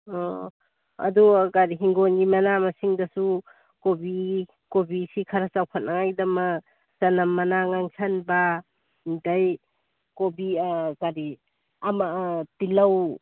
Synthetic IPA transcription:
ɔ | ɐ̰duɡaɾiɦiŋɡonɡimɐnamɐsiŋdɐsu | kobi | kobisikʰɐɾɐt͡ʃawkʰat̚nʔaŋajdɐmɐ | sɐnɐmːɐnaŋaŋsʰanba | dɐj | kobikaɾi | amatilɐw

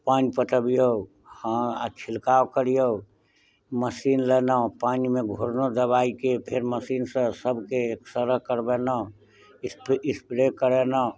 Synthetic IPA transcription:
panipəʈ̪əbijo | həat͡ʃʰilkawkəɾijo | məsinlənə̃panimeɡʱoɾnod̪əβaikepʰeɾməsinsə̃səbʱkeːksəɾəɦkəɾbenə̃ | pispɾekəɾenə̃

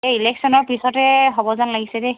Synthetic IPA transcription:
eileksɔnɔɹpisɔtɛɦɔbɔzanlaɡisɛde

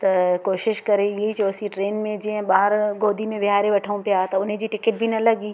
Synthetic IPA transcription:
t̪ɐkoːʃɪʃkɐɾeeid͡ʒoːsiʈɾeːnmẽd͡ʒiə̃ɓaːɾɡoːd̪ʱimẽʋɪɦaːɾeʋɐʈʰaũpjaːt̪ɐʊnɦẽd͡ʑiːʈɪkɪʈ̚bʱinɐlɐɡiː

